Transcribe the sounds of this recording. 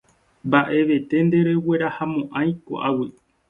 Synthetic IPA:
mbaʔe̞ʋe̞t̪e̞nd̪e̞ɾe̞we̞ɾahamõ̞ʔãj̃ko̰ʔawi

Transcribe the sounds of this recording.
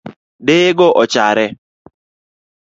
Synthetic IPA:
deɡɔʔɔt͡ʃaɾɛ

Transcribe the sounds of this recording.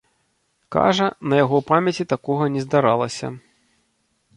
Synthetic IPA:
ka̰ʐɐnɐjaɣɔpamʲɐt͡sʲit̪akɔɣɐnʲɛzd̪aɾalˠɐsʲɐ̰

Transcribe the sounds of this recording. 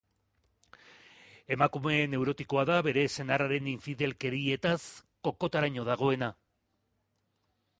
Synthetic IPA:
e̞makume̞ne̞wɾo̞t̪iko̞aðaβe̞ɾe̞se̞naraɾe̞niɱfiðe̞lke̞ɾie̞t̪asko̞ko̞t̪aɾaɲo̞ðaɣ̞o̞e̞na

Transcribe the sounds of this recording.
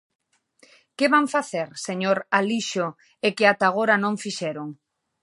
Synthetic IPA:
keβaŋfaθeɾseɲoɾaliʃo | ekeat̪aɣ̞oɾanõŋfiʃɛɾoŋ

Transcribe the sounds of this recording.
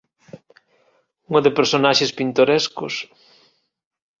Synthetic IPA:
uŋoðɪpeɾsonaʃespint̪oɾɛskʊ̰s

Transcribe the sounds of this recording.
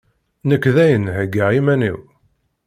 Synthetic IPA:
nəkːðæjənhəɡaʁimænḭw

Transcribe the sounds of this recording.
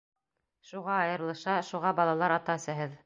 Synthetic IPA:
ʃuʁɑːjɤ̆ɾlˠɤ̆ʃɑʃuʁɑbɑlˠɑlˠɑɾɑt̪ɑsæɦɤð

